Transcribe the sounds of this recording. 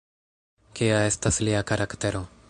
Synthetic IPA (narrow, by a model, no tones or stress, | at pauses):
keaest̪asliakaɾʔakt̪eɾo